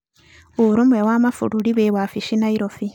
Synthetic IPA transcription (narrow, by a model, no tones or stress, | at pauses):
oɾumewamafṵɾuliβewafiʃinaiɾofi